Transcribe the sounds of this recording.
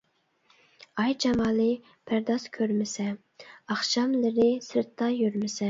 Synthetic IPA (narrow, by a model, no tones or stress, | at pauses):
ɑjd͡ʒɑmɑːlˠɨ | pʰæɾd̪ɑskʲʰøɾmɪsɛ | ɑχʃɑmlɪɾɪsɪɾt̪ʰːɑjyɾmɪsɛ